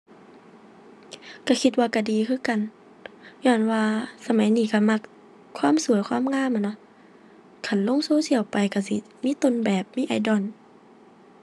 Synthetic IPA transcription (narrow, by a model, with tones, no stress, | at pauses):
ka˧˩kʰi˧t̪̚waː˧ka˧˩diː˨kʰɯː˧˥˨ka˨n | ɲɔː˧˩nwaː˧sa˧ma˨˦jniː˧˩ka˧˩ma˧k̚ʰ | waː˧˥˨msu˨əjkʰwaː˧˥˨mŋaː˧˥˨mʔa˨nɔ˧˦ | kʰa˧˨nlo˧˥˨ŋsoː˧˥˨si˧˩əwpa˨jka˧˩si˧˦ | miː˧˥˨t̪o˧˨nbɛː˨˩p̚miː˧˥˨ʔa˨˩˦jdɔ˧˩n